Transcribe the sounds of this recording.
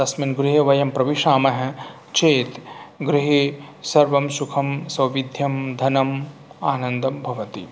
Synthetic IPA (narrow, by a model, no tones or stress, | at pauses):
t̪ɐsminɡɾɪɦɐʋɐjɐmpɾɐʋiʃaːmɐɦɛ | t͡ʃeːt̪ɡɾiɦesɐɾʋɐmʃukʰɐmsɐwʋid̪ʱjɐmd̪ʱɐnɐmaːnɐnd̪ɐmbʱɐʋɐt̪i